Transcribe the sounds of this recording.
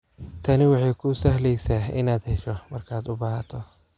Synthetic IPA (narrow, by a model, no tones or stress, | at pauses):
t̪ʰɐnɪwɑħɑjkʰʊsɐhlɛjsaːɪ̰naːd̪hɛʃɔmɐrkʰaːd̪ʊbaːɦɐt̪ʰɔ